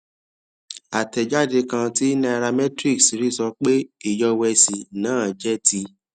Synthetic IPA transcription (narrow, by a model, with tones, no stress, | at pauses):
a˨tɛ˨d͡ʒa˦˨de˧kã˧ti˦na˧a˧ɾa˧mɛ˦tɾi˦˨ksɾi˦sɔ˧k͡pe˦i˦˨jɔ˧wɛ˧si˨nãː˨˦˨d͡ʒɛ˦ti˧